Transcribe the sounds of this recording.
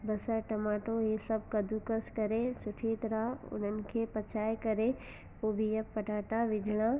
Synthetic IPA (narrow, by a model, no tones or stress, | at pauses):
bɐsaʈɐmaːʈojesɐbkɐd̪ukəskɐɾesʊʈʰeːt̪ɾaʊ̰nənkʰepɐt͡ʃʰaːjkɐɾe | poːbʱijɐpːɐʈaːʈaʋɪd͡ʒʱɽ̃a